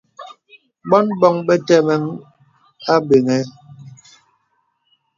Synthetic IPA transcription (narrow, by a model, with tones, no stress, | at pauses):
ɓɔ˦nbɔ˦ŋɓɛ˦tɛ˦mɛ˦ŋ | a˦be˨ŋɛ˨˦